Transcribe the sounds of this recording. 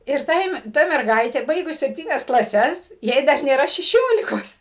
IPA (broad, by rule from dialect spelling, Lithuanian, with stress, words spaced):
ɪr ˈtɐɪm ˈtɐ mʲɛrˈɡɐɪtʲeː ˈbɐɪɡʊs sʲɛpʲˈtʲiːnʲɛs klˠɐˈsʲɛs ˈjɛɪ dɐr nʲeːˈrɐ ʃʲɛˈʃʲoːlʲɪkoːs